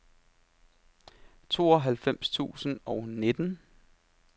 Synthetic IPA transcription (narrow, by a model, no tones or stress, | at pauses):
t͡sʰo̝̰ːɒɦælfem̰st͡sʰṵːsən̩ɒ̽ʊne̝d̥ən